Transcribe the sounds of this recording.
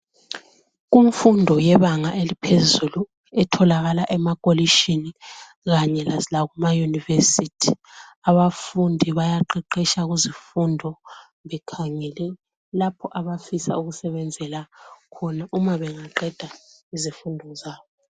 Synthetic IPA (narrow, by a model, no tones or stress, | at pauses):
ɣuɱfundʱɔjɛβaŋaʔelipʰezulu | ɛtʰɔlaɣalaʔɛmakʼoliʃini | ɣaɲɛlazilaɣumajunivesitʰi̥aβafundʱiβajaǃɛǃɛʃaɣuzifundʱɔ | βɛkʰaŋɛlɛ | lapʰɔʔaβafisa̰uɣusɛβɛnd͡zʱɛlakʰɔnaʔumaβɛŋaǃɛd̥ʱaizifundʱɔzaːβɔ